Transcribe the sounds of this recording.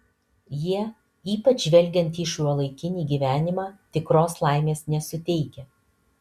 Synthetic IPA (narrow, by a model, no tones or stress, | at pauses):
jiɛ | iːpɐt͡ʃʒʋʲɛlʲɡʲɛnʲt̪iːʃuɔlˠɐɪkʲɪnʲiːɡʲiːʋʲæːnʲɪmɑːt̪ʲɪkɾoːslˠɑˑɪmʲeːsnʲɛsʊt̪ʲɛɪkʲɛ